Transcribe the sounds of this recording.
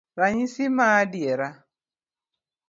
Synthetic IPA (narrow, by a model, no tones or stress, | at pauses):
ɾaɲisimaːdjɛɾa